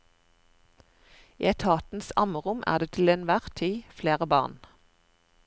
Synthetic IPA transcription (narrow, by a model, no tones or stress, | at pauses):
ḭːɛt̪ʰɑːt̪n̩sɑ̰məʁʊmʔæ̰ːʁd̪eːt̪ʰɪlɛnʋæʁt̪ʰiːfleːʁəbɑ̰ːʁn